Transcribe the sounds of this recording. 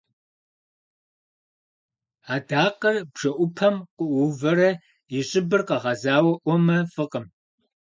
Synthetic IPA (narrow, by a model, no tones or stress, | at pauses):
aːdaːqɐrb̥ʂɐʔʷʊpʰɐmqʷʊʔʷuvɐɾɐ | jɪɕʼɪbɨrqɐʁɐzaːwɐʔʷɔmɐfɨqəm